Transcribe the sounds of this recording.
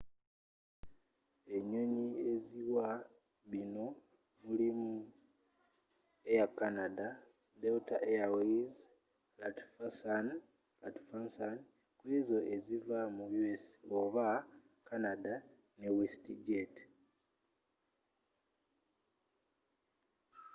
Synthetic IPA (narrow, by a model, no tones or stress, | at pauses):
e̞ɲo̞ɲie̞ziwa | βino̞ | mulimu | e̞jakanada | deutaʔejaweiz | latfasan | latfansan | kwizo̞ʔe̞zivamujuesoβa | kanada | newestiɟet